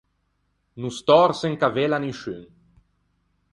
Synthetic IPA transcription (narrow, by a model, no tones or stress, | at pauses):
nust̪ɔɾseŋkavelaniʃy̰n